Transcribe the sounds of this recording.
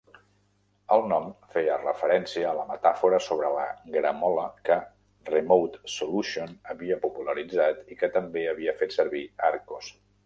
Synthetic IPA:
əlˠnɔmfejərəfəɾɛnsiəːləmət̪afuɾəsoβɾələ̰ɡɾəmɔləkə | remowt̪suluʃionəβiəpupuləɾid͡zat̪ikət̪əmbeəβiəfet̪səɾβiaɾkos

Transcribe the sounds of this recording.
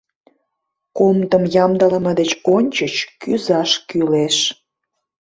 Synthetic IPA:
komt̪əmjɑmd̪ɑləməd̪et͡ɕonʲt͡ɕət͡ɕkyzɑʃkyleʃ

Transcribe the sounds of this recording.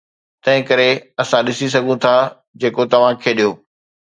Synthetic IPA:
t̪ɐ̃ɦɪ̃kɐɾeɐsãɗɪsis̬ɐɡʱũt̪ʰa | d͡ʑeːkot̪ɐʋ̤ãkʰeːɗijoː

